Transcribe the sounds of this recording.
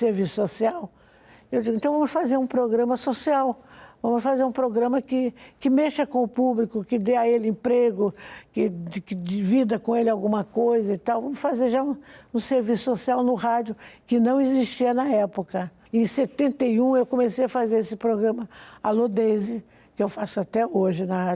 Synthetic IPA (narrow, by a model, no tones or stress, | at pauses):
seɾvisʊ̥sosiaw | ewd͡ʒiɡʊẽt̪ɐ̃w̃vɐ̃mʊsfazeɾũpɾoɡɾɐ̃mɐsosiawvɐ̃mʊsfazeɾũpɾoɡɾɐ̃mɐkɪkɪmeʃɐkõʊpublikʊkɪd̪eɐelɪẽpɾeɡʊkɪkɪd͡ʒivid̪ɐkõelɪawɡũmɐkojzɐit̪awvɐ̃mʊsfazeɾʒaũũseɾvisʊ̥sosiawnʊhad͡ʒʊkɪnɐ̃w̃ɪziʃt͡ʃiɐnɐɛpʊkɐ | ẽj̃set̪ẽnt̪ejũewkõmesejɐfazeɾesɪpɾoɡɾɐ̃mɐalod̪ezɪ | kɪewfasʊat̪ɛoʒɪnɐha